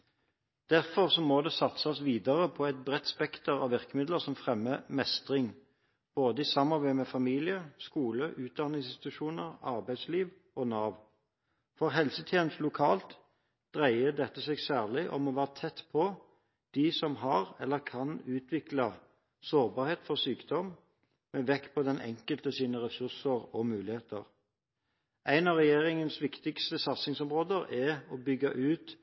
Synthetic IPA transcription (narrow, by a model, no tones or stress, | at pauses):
d̪̥æʁfɔʁsɔmɔd̪ɛsɑt̪səɔsʋiːd̪əʁəpʰɔɛt̪̚bʁɛt̪ːspɛkt̪əʁɑ̰ʋʋɪʁkəmɪd̪ləʁsɔmfʁɛmːəmɛst̪ʁɪŋ | b̥oːd̪əisɑmːɑʁbæɪmɛfɑmiːlɪəskuːləʔʉːt̪̚d̪ɑnɪŋsɪst̪ʉʃuːnəʁɑ̰ʁbæɪd̪sliːʋ | ʔɔnɑːʋ | fɔʁɦɛlsət̪ʰjeːnəst̪lʊkʰɑːlt̪ | d̪̥ʁæɪəd̪ɛt̪ːəseːɡsæːʁlɪʔɔ̰mɔʋæːʁət̪ʰɛt̪ːpʰɔ | d̪̥isɔmɦɑʁɛ̰lːəʁkʰɑnʉːt̪ʰʋɪklɑ | soːʁbɑːɾheːt̪fɔʁsyːkd̪ɔm | mɛʋɛkːpʰɔd̪ɛnʔɛ̰ŋkəlt̪əsiːnəʁɛsʉʁsəʁɔmʉːlɪheːt̪əʁ | ʔæɪnɑʁɛjeːʁɪŋənsʋɪkt̪ɪkst̪əsɑt̪sɪŋsɔmʁoːd̪əʁɛɔbʏɡɑ̰ʔʉːt̪